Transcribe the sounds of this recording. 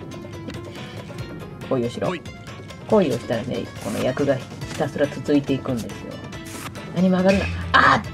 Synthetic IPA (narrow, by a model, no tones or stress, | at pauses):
ko̞io̞ɕiɾo̰ | ko̞io̞ɕi̥t̪aɾanḛko̞no̞̰jakɯ̟ɡaçi̥t̪asɨɾat͡sɨzɨit̪e̞ikɯ̟̃nd̪esɨjo̞̰ | naɲ̟imo̞aɡaɾɯ̟na̰a